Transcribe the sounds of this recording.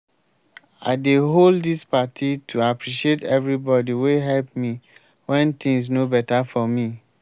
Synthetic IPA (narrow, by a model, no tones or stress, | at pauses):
a̰ɪdeɦoldispatʰitʰuapɹiʃietɛvɹibɔdiweɦɛlp̚mi | wɛ̃nt̪ĩŋs̬nobɛtafɔmi